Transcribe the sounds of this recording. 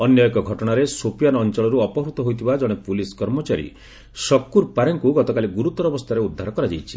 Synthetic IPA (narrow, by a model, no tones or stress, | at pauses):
ɔnjɔekɔɡʱɔʈɔɽ̃aɾesopijanɔnt͡ʃɔɭɔɾuɔpɔɦɾut̪ɔɦojt̪ʰibad͡ʒɔɽ̃epuliskɔɾmɔt͡ʃaɾḭ | sɔkːuɾpaɾɔŋkuɡɔt̪ɔkaliɡuɾut̪ɔɾɔbɔst̪ʰaɾeud̪ʱːaɾɔkɔɾad͡ʒajt͡ʃʰi̥